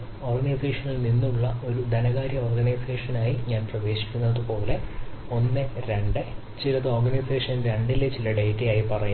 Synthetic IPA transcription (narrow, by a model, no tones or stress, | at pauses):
o̞ːrɡɐnɐjseːʂɐnilninːuɭːɐo̞ɾud̪ɐnɐɣaːɾjɐoːrɡɐnɐjse̞ːʂɐnaːjiɲaːnprɐʋe̞ːɕi̥kʲːunːɐðɨpo̞ːle̞o̞nːɨɾe̞ɳɖɨ | t͡ɕilɐðɨorɡɐnɐjseːʂɐnɾeɳɖilːet͡ɕilɐɖejʈːijaːjipɐrɐju